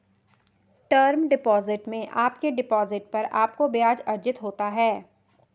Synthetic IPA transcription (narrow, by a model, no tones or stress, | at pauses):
ʈəɾmɖɪpɔːzɪʈmẽʔaːpkeɖɪpɔːzɪʈ̚pɐɾaːp̚kobɪjaːd͡ʒɐɾd͡ʒɪt̪ɦoːt̪aɦɛː